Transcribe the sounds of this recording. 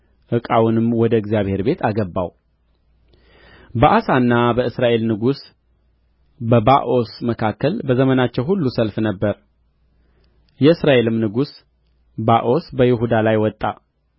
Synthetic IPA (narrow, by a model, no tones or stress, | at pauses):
ʔɨkʼawunɨmwɔd̪əɨɡzjaβhe̞ɾbe̞t̪ʰaɡəbːa̰w | bəʔasanːabəɨsɾaʔe̞lnɨɡus | bəbaʔo̞sməkʰakːəlbəzəmənat͡ʃːɛwhulːusəlfnəbːəɾ | jɛɨsɾaʔe̞lɨmnɨɡus | baʔo̞sbəjɪɦud̪alajwɔt̪ʼːa